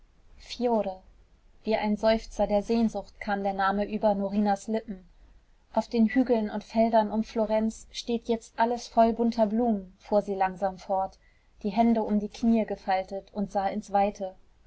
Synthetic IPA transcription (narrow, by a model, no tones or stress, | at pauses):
fjoːʁə | v̥iːʔaɪnzɔʏft͡sɐdeːɐzeːnzʊxt̚kʰaːmdeːɐnaːməʔyːbɐnoʁiːnaslɪpm̩ | ʔaʊfd̥eːnhyːɡl̩nʊntfɛldɐnʊmfloʁɛnt͡sʃteːtjɛt͡stʔaləsfɔlbʊntʰɐbluːmənfuːɐziːlaŋzaːmfɔɐt | d̥iːɦɛndəʊmdiːkʰniːəɡəfaltətʊntz̥aːɪnsv̥aɪtʰə